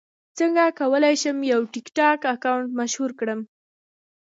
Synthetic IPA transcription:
t͡səŋɡakawəlajʃəmjawʈɪkʈɑkakawɳʈmaʃhuɾkɽəm

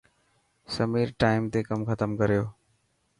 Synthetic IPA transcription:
səmiːɾʈaːɪmt̪ekəmxət̪əmkəɾijoː

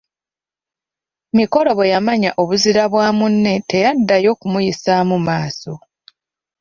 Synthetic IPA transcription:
miko̞lo̞βejamaɲaʔo̞βuziɾaβwaːmunːe̞te̞jadːajo̞ːkumujisamumaːso̞̰

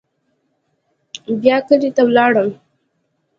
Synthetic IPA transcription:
bjɑkəlet̪awlɑɽəm

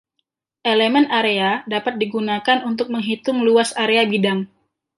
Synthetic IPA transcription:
ʔelemɛnaɾeadapat̪̚diɡunakanunt̪ʊk̚məŋɦit̪ʊŋluasaɾeabidaŋ

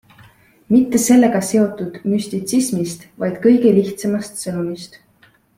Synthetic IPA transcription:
mit̪ːe̞se̞lːe̞ɡ̥ɑse̞o̞t̪ːˑud̪̥mysʲt̪it̪sismist̪vɑjd̪̥kɤ̞jɡe̞liht̪semɑst̪sɤnumist̪

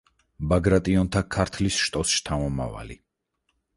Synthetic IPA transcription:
baɡɾat̪ʼiɔnt̪ʰakʰaɾt̪ʰlisʃt̪ʼɔsʃt̪ʰamɔma̰va̰li

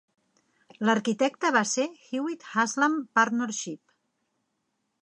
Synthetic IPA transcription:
ləɾkit̪ɛk̚t̪əβasexiwit̪hazlampaɾnoɾʃip

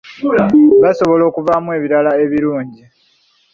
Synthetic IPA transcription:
βaso̞βo̞lo̞ːkuvamwe̞βiɾalae̞βiɾuːɲɟi

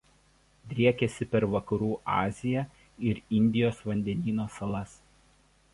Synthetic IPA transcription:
d̪ʲɾʲiɛkʲɛsʲɪpʲɛɾʋɐkɐɾuːʔɑ̰ːzʲɪjɛ | ɪɾɪnʲd̪ʲɪjoːsʋɐnʲd̪ʲɛnʲiːnoːsɐlˠɐs

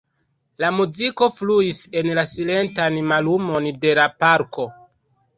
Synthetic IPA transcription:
lamuziko̞fluise̞nlasile̞ntanmalumo̞nde̞lapaɾko̞

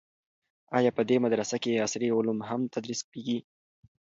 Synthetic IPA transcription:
ɑjɑpəd̪emad̪ɾasakeasɾiʊlumɦamt̪ad̪ɾiskeɡi

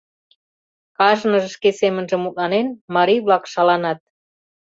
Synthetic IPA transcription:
kɑʒnə̆ʒə̆ʃkesemənʒə̆mut̪̚lɑnenmɑɾijβlɑkʃɑlɑnɑt̪̚

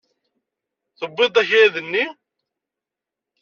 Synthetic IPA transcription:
θəbːɨd̪ˤæçæðənːi

